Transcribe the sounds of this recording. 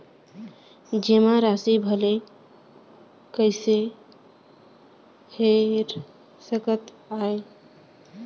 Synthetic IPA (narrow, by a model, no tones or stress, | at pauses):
d͡ʒemaɾasibʱəle | kəɪse | heɾ | səkət̪ | ae